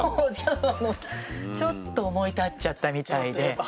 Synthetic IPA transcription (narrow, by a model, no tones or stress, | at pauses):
oaanot͡ɕo̞t̪ːoːmo̞it̪at͡ɕːat̪ːamʲit̪aide̞